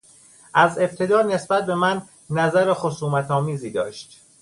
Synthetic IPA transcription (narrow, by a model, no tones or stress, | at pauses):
ʔæze̞b̥̚t̪ʰe̞d̪ɒːne̞sbæt̪̚be̞mænː | æzæɾexosuːmæt̪ʰɒːmiːziːd̪ɒːʃt̪